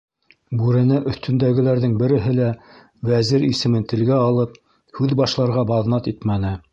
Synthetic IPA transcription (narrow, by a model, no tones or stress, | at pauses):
bʉɾɘ̆nɘʔɵ̆θt̪ʰɵ̆nd̪æɡɘ̆læɾðɘŋbɘ̆ɾɘ̆ɦɘlæ | wæzɘɾisɘ̆mɘnt̪ɘ̆lɡæɑlˠɤp̚ | hʉðbɑʃlˠɑɾʁɑbɑðnɑt̪it̪mænɘ